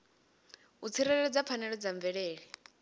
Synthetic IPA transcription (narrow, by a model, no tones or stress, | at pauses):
ut͡sʰiɾɛɺɛɺɛd͡zapfʰanɛɺɔd͡zaɱvɛɺeːɺi